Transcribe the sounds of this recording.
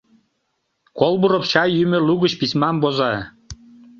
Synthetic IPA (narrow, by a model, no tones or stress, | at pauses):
kolˠbuɾopɕɑjːymø̆luɣət͡ɕpismɑmbozɑ